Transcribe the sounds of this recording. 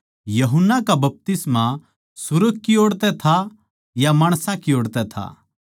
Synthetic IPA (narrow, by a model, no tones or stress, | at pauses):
jɐɦʊnːakabɐp̚t̪ɪsma | sʊɾəɡ̚kioːɽt̪ɛt̪ʰa | jamaːɽ̃sãkioːɽt̪ɛt̪ʰa̰